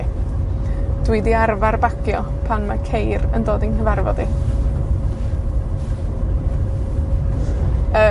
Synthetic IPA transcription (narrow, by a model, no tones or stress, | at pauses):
d̥wɪdiarvarbakʰjɔ | pʰanmakʰejrəndoːdinkəvarvɔði | ə